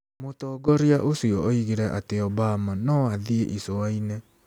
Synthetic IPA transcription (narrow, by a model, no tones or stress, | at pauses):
motɔɡɔɾiaʔosiɔɔiɣeɾɛʔateɔbamanɔaðieʔisoainɛ